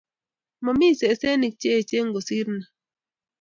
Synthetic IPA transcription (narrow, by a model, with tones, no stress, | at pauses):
mɔ˨mi˦˨se˨˦se˦ni˨k̚t͡ʃe˦˨t͡ʃe˦ŋ˦ɡo˨si˦ɾna˨